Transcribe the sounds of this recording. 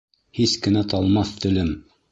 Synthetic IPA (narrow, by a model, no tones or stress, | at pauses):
hiskɘ̆næt̪ɑlˠmɑθt̪ɵ̆lɘm